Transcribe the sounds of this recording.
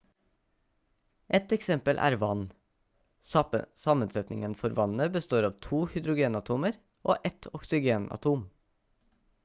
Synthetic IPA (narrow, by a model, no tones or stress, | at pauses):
ʔɛt̪ɛksɛmpəlʔæ̰ːɾʋɑn | sɑmənsɛt̪nɪŋənfɔɾʋɑnnəbəst̪oːɾɑːʋt̪ʰuːhʏd̪ɾʊɡeːnɑt̪ʰuːməɾ | ʔoːʔɛt̪ʰɔksɪɡeːnɑ̰t̪ʰuːm